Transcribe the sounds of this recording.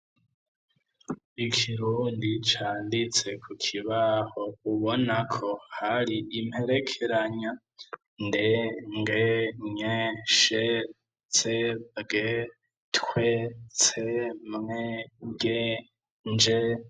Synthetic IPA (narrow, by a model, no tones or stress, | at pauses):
ikʰiɾuːndit͡ʃaːndit͡se̞kʰukʰiβaho̞uβo̞nakʰo̞haɾiʔimhe̞ɾe̞kʰe̞ɾaɲa | ndeŋɡeɲeʃe | t͡seɡe | tkwet͡semŋeɡe | nd͡ʒe